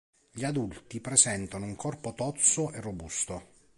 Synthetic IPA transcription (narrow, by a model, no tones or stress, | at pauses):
ʎiad̪ult̪ipɾezɛnt̪anouŋkʰɔrpot̪ɔt̪soʔerːobust̪o